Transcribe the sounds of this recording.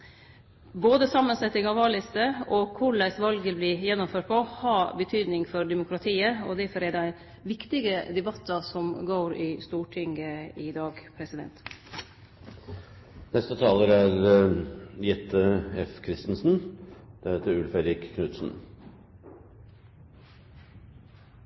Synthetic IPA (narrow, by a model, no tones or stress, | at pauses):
boːd̪əsɑmːənsɛt̪ːɪŋɑʋɑːɭɪst̪əɔkʰʊɭæɪsʋɑlɡəblɪjɛnːɔmføːʈ̚pʰɔhɑbət̪ʰyːd̪nɪŋfɔɾd̪ɛmʊkʰɾɑt̪ʰiːəɔ̰d̪æɾfɔɾæɖ̪æɪ | ʋɪkt̪ɪɡəd̪ɛbɑt̪ːɑsɔmɡoːɾɪst̪uːʈʰɪŋəɪd̪ɑːɡpʰɾɛsɪd̪ɛ̰nt̪ | nɛst̪ət̪ʰɑːləɾæɾ | jɛt̪ʰːəɛfkʰɾɪst̪n̩sn̩d̪̥ɛheːt̪əɾʉlfed̪ɾɪkkʰːnʉːt̪sn̩